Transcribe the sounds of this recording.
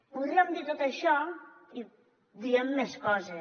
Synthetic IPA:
puzɛmd̪et̪ot̪ɐʃɔi | d̪iɛmːeskɔze

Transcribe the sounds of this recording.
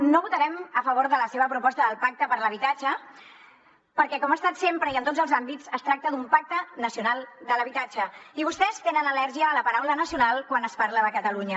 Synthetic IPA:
noβut̪əɾɛməfəβ̞oɾðələseβəpɾupɔst̪əðəlˠpak̚t̪əpəɾləβit̪ad͡ʒə | pəɾkɛkɔmast̪at̪sempɾəiənt̪od͡zzəlˠzambitt͡səst̪ɾak̚t̪əd̪umpak̚t̪ənəsiunalˠd̪ələβit̪at͡ʃəiβust̪ɛst̪enənəlɛɾʒiəːləpəɾawlənəsiunalˠkwanəspaɾləəkət̪əluɲə

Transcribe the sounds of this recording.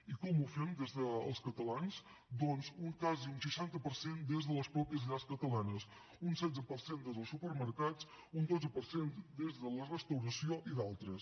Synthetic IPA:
ikɔmufɛmd̪ezðəːlˠskət̪əlans | d̪ɔnzuŋkaziunsəʃant̪əpəɾsend̪ezðələspɾɔpiəzʎaskət̪əlanəs | unsɛd͡zəpəɾsend̪ezðəlˠsupəɾməɾkat͡s | und̪od͡zəpəɾsend̪ezðələrəst̪əwɾəsioʔiðalˠt̪ɾəs

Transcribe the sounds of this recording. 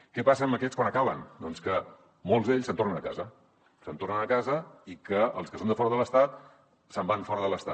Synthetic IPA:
kɛpas̬əːməkɛt͡skwanəkaβənd̪ɔnskə | molˠzðeʎsənt̪ornənəka̰zə | sənt̪ornənəkazəikəəlˠskəsond̪əfɔɾəðələst̪at̪̚ | səmbanfɔɾəðələst̪a̰t̪

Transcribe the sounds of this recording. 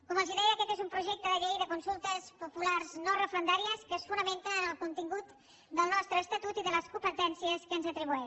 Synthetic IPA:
kɔməlˠziðɛjəkɛt̪ezumpɾuʒɛk̚t̪əðəʎejðəkunsulˠt̪əspupulaɾznorəfɾənd̪aɾiəskəsfunəment̪ənəlˠkunt̪iŋɡut̪ | d̪əlˠnɔst̪ɾəːst̪at̪ut̪iðələskumpət̪ɛnsiəskənzət̪ɾiβuɛ

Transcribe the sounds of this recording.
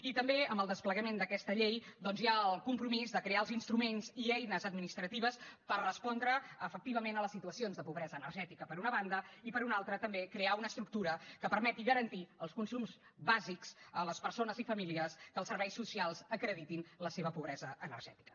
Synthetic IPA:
it̪əmbeəmbəlˠd̪əspləɣəmend̪əkɛst̪əʎejd̪ɔnzjaəlˠkumpɾumizd̪əkɾeaəlˠzinst̪ɾumenziɛjnəzəd̪minist̪ɾət̪iβ̞əspərrəspɔnd̪ɾəːfək̚t̪iβəmenələsit̪uəsionzðəpuβɾɛzəːnərʒɛt̪ikəpəɾunəβand̪əipəɾunalˠt̪ɾət̪əmbekɾeaunəst̪ɾuk̚t̪uɾəkəpəɾmɛt̪iɣəɾənt̪iəlˠskunsumz | βazikz̥ələspəɾsonəzifəmiliəskəlˠsəɾβɛjsːusialˠzəkɾəðit̪inləseβəpuβɾɛzəʔənə̰rʒɛt̪i̥kə̥

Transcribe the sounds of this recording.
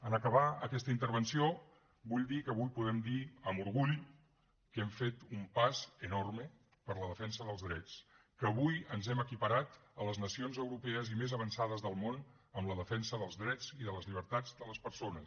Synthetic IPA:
ənəkəβaəkɛst̪əint̪əɾβənsio | buʎd̪ikəːβujpuðɛmd̪iəmuɾɣuʎ | kɛmfet̪umpazənormə | pəɾləðəfɛnsəðəlˠzðɾɛt͡s | kəβujənzɛməkipəɾat̪ələznəsionzəwɾupɛəzimezəβənsaðəzðəlˠmon | əmləðəfɛnsəðəlˠzðɾɛd͡ziðələzʎiβ̞əɾt̪ad͡zd̪ələspəɾsonəs

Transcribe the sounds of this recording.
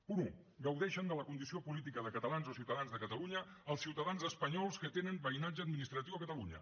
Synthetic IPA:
punu | ɡəwðɛʃənd̪ələkund̪isiopulit̪̬ikəðəkət̪əlanzosiwt̪əðanzðəkət̪əluɲə | əlˠsiwt̪əðanzəspəɲɔlˠskət̪enənbəinad͡ʒəːd̪minist̪ɾət̪iwəkət̪əluɲə̰

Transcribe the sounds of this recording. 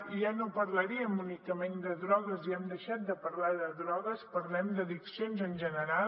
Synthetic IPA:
ʒanopəɾləɾiəmunikəmend̪əðɾɔɣəziɛmd̪əʃat̪̚d̪əpəɾlaðəðɾɔɣəspəɾlɛmd̪əðiksionzənʲʒənəɾal

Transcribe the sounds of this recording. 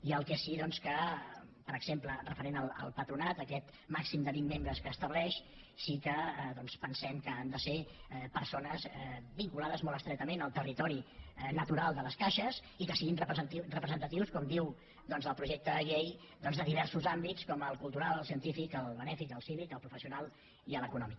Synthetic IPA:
iəlˠkɛsiðɔnskəpəɾəɡz̥emplərəfəɾenəlˠə̰lˠpət̪ɾunat̪əkɛt̪ | maksimd̪əβimːembɾəskəːst̪əβlɛʃ | sikəðɔnspənsɛmkəand̪əsepəɾsonəzɛbiŋkulaðəzmɔlˠəst̪ɾɛk̚t̪əmenəlˠt̪ərit̪ɔɾinət̪uɾalˠd̪ələskaʃəz | ikəsiɣinrəpt̪irəpɾəzənt̪ət̪iwskɔmd̪iw | d̪ɔnzðəlˠpɾuʒɛk̚t̪əɣej | d̪ɔnzðəðiβɛɾsuzambit͡skɔməlˠkulˠt̪uɾalˠəlˠsiənt̪ifikəlˠβənɛfikəlˠsiβikəlˠpɾufəsiunalˠ | iəlˠəkunɔmik

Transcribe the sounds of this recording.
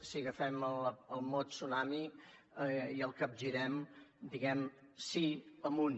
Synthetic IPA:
siɣəfɛmələlˠmot̪sunami | iəlˠkəp̚ʒiɾɛmd̪iɣɛm | siəmun

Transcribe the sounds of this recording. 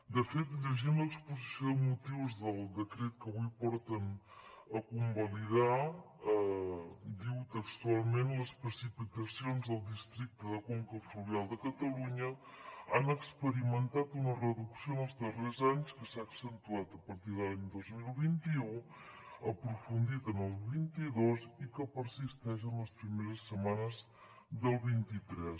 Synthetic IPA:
d̪əfet̪ʎəʒimləkspuzisjoðəmut̪iwzðəlˠd̪əkɾet̪̚kəβujpɔɾt̪ənəkumbəliða | ə | d̪iwt̪əkst̪ualˠmenləspɾəsipit̪əsionzðəlˠd̪ist̪ɾik̚t̪əðəkoŋkəfluβialˠd̪əkət̪əluɲəanəkspəɾimənt̪at̪unərəðuksionəlˠzðərezaɲskəsaəksənt̪uat̪əpəɾt̪iðəlaɲd̪ozmilˠβint̪iu | əpɾufund̪it̪ənəlˠβint̪iðozikəpəɾsist̪ɛʃənləspɾimeɾəsːəmanəz | ðəlˠβint̪it̪ɾɛs

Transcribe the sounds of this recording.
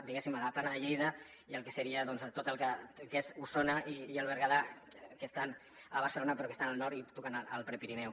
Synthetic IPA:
d̪iɣesimaɣapanaʎejða | iəlˠkeseɾiaðɔnzt̪ot̪əlˠkəkesusonaʔiiəlˠβ̞əɾɣaða | kest̪an | əβ̞əɾselonapeɾokest̪analnɔɾt̪it̪ukanaəlˠpɾepiɾinɛw

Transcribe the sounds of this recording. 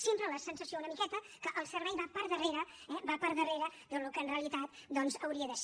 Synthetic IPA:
sempɾələsənsəsiounəmikɛt̪ə | kəʔəlˠsəɾβɛjβapəɾðəreɾəɛbapəɾðəreɾəd̪əlukəːnreəlit̪at̪̚d̪ɔnzəwɾiəðəs

